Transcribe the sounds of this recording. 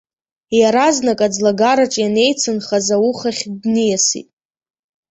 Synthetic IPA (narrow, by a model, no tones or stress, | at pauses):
jaɾaznakʼad͡zlaɡaɾat͡ʃʼjane̞jt͡sʰɨnχazawuχaχʲdnɨjasḭtʼ